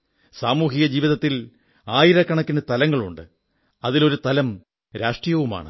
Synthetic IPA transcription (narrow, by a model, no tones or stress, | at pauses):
saːmuːɦiɣɐd͡ʑiːʋiðɐt̪ːil | aːjiɾɐkːɐɳɐkːinet̪ɐlɐŋːɐɭuɳɖɨ | ɐðilo̞ɾut̪ɐlɐm | ɾaːʂʈrijɐʋuma̰ːɳɨ̰